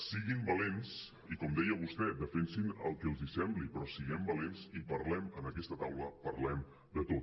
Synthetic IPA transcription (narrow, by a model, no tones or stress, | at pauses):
siɣimbəlens | ikɔmd̪ɛjəβust̪ɛd̪əfensinə̰lˠkɛəlˠzisɛmblipɾɔsiɣɛmbəlenzipəɾlɛmənəkɛst̪ət̪awləpəɾlɛm | d̪ət̪ot̪